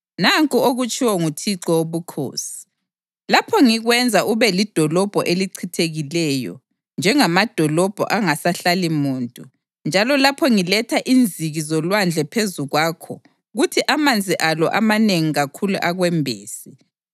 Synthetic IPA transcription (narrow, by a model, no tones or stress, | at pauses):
naŋkʼuoɣut͡ʃʼiwɔŋutʰiǁɔoβukʰo̰ːsi̥ | lapʰɔŋiɣwɛnd͡zʱaʔuβɛlid̥ʱɔlɔb̥ʱɔʔeliǀʰitʰeɣilɛjɔ̰ | nd͡ʒʱɛŋamad̥ʱɔlɔb̥ʱɔ̰ʔaŋasaɬalimuːntʼu | nd͡ʒʱalɔlapʰɔŋilɛtʰaʔind͡zʱiɣizɔlwand͡ɮʱɛpʰezuɣwaːkʰɔ̰ | ɣutʰiʔamand͡zʱiʔalɔʔamaneŋiɣakʰulṵʔaɣwɛmbʱeːsi